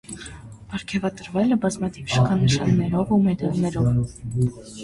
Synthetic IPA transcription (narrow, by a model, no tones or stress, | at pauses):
b̥ɑɾkʰɛvɑt̪əɾvɛləbɑzmɑt̪ʰivʃə̥kʰɑnəʃɑnːɛɾɔvumɛd̪ɑlnɛɾɔv